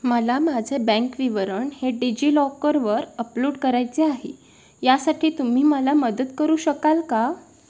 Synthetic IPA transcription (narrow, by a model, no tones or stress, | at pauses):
məlamad͡zʱebɛ̃ŋkʋiʋəɾəɳheɖid͡ʑiːlɔkəɾʋəɾəpluːɽkəɾajt͡seaɦḛ | jasaʈʰiːt̪um̤iːməlaməd̪ət̪kəɾuːɕəkalka